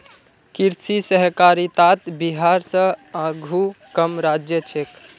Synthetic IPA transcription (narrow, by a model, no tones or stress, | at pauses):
kiɾsisəɦkaɾit̪at̪biɦaɾsə̃aɡʱukəmɾad͡ʒjət͡ʃʰek